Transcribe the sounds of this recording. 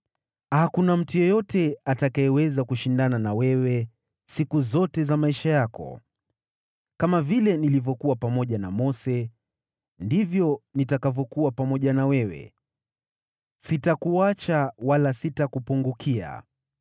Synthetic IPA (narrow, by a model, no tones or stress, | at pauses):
hakunam̩tujɔjɔtɛatakaɛwɛzakuʃindananawɛwɛ | sikuzɔtɛzamaiʃajakɔ̰ | kamavilɛnilivjɔkuwapamɔʄana̰mɔsɛ | ndivjɔnitakavjɔkuwapamɔʄanawɛwɛ̰ | sitakuat͡ʃawalasitakupuŋɡukia̰